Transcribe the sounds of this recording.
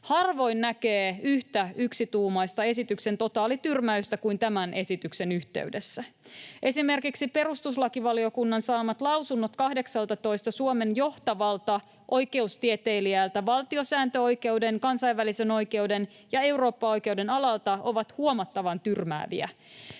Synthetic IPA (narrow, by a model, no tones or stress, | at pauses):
hɑrʋo̞jnːækeːyht̪æyksit̪uːmɑjst̪ɑe̞sit̪ykse̞nt̪o̞t̪ɑːlit̪yrmæyst̪ækujnt̪æmænʔe̞sit̪ykse̞nyht̪ḛɥdesːæʔe̞sime̞rkiksipe̞ɾust̪uslɑkiʋɑliokunːɑnsɑːmɑt̪lɑwsunːot̪kɑhde̞ksɑlt̪ɑt̪o̞jst̪ɑsuome̞njo̞ht̪ɑʋɑlt̪ɑ | ʔo̞jke̞ust̪iet̪ejliæːlt̪æʋɑlt̪io̞sæːnt̪øo̞jke̞wde̞nkɑnsɑijʋʋːælise̞no̞jke̞ude̞n | jɑe̞uwro̞ːpːɑo̞jke̞wde̞nɑlɑlt̪ɑo̞ʋɑt̪huomɑt̪ːɑʋɑnt̪yrmæ̰ːʋḭæ̰